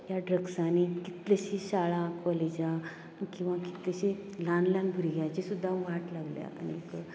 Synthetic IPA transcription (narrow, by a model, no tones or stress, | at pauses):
jaɖɾəɡsaniki̥t̪leɕiɕaɭãkʋaled͡ʑa | kĩw̃ʋaki̥t̪leɕilãnlãnbʱuɾiɡʱjajt͡ɕesud̪ʱːaʋaʈlaɡlja̰anḭek